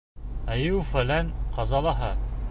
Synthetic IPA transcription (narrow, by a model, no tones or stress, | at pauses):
æjɘwfælænqɑzɑlˠɑɦɑ